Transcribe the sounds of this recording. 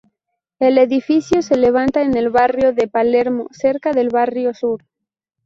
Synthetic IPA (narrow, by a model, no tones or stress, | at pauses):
e̞le̞ðifiθjose̞leβ̞ant̪aene̞lβarjoðepaleɾmoseɾkaðe̞lβarjosuɾ